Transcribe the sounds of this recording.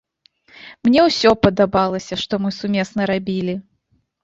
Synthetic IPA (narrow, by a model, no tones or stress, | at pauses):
mnʲɛwsʲɔpɐd̪abalˠɐsʲɐʂt̪ɔmɨsumʲɛsnɐɾabʲilʲi